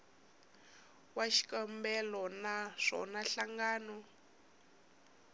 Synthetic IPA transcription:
waʃi̥kambɛlɔnaʂɔ̰naɬaŋɡaːnɔ

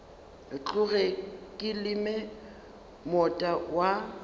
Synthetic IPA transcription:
t͡ɬʼʊɣɛkʼɪlɪmɛ | mɔtʼawa

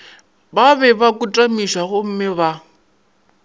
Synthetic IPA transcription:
baβɛβakʼutʼamiʃaɣʊm̩mɪβa

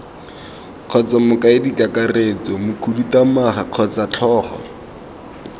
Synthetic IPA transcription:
q͡χʰɔt͡samʊkaɪdikakareːt͡sɔmʊkʰudutamaχaq͡χʰɔt͡sat͡ɬʰɔːχɔ̰

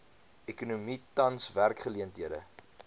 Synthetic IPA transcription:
ɛkunumitɐnsværkχəliəntɦiədə̰

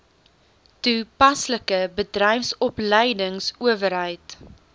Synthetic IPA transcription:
tupɐsləkəbədrɛjfsɔpləjdəŋsuəvəɾɦəjt

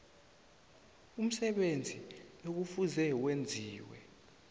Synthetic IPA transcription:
um̩sɛɓend͡zʱiok̬ufuzɛwend͡zʱiːwɛ̰

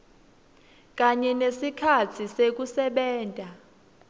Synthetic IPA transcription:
k̬aɲɛnesikʰat͡sʰisek̬usɛɓɛːntʼa

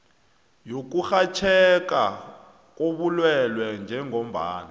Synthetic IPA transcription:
jok̬uxat͡ʃʰɛk̬a | k̬ʼoɓulwɛlwɛnd͡ʒʱɛŋʱom̩ba̰ːna

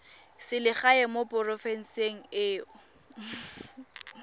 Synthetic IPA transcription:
sɪlɪχaɛmopʊrɔfɛn̩seŋ̩ɪːʊ

